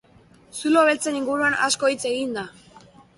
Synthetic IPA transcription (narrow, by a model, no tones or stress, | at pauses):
sulo̞βe̞lt͡se̞niŋɡuɾuana̰sko̞it͡se̞ɣind̪a